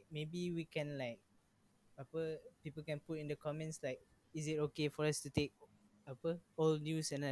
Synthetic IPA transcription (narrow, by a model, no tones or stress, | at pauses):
k̚mebiwikɛ̃nlaɪk̚ | papəpipəlkɛ̃nputĩndəkʰɔmɛ̃nslaɪk̚ | isɪtokefɔɹastutek̚ | papəɔlnjusɛ̃nla